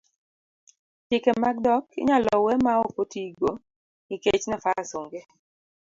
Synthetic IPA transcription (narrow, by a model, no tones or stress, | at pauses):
t͡ʃɪkɛmaɡ̚dɔkɪ̰ɲalɔwɛmaopotiɡo | iket͡ʃnafaasoŋɡe